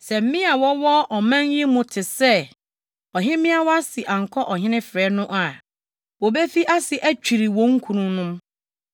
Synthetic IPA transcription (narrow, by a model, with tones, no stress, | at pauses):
sɛ˨m̩˦mĩ˦a˨wɔ˦wɔ˦ʔɔ˨mã˦nji˦mʊ̃˨tʰɪ˨sɛ˦ | ɔ˨ɦɪ˦mɪ̃˦a˨wɔ˦a˦sɪ˨ʔã˨ŋ̩˨kʰɔ˦ʔɔ˨ɦɪ̃˦nɪ̃˦fɾɛ˨˦nʊ̃˦ʔa˨ | wo˨be˦fi˦ʔa˦sɪ˨ʔæ˦t͡ɕᶣi˨ɾi˨wɔ̃˦ŋ̩˦kʰũ˨nũ˦nʊ̃˦m